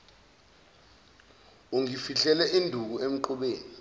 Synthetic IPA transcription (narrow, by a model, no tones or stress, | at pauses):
uŋifiɬɛlɛʔindʱuk̬uem̩ǃuɓeːni